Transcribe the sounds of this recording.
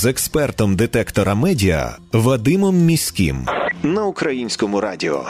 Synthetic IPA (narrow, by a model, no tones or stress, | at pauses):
zɛkspɛrt̪ɔmd̪ɪt̪ɛkt̪ɔɾɐmɛdʲiɐ̰ | ʋɐd̪ɪmɔmːʲisʲkʲḭmnɐʊkɾɐjinʲsʲkɔmʊɾɑdʲɪɔ̰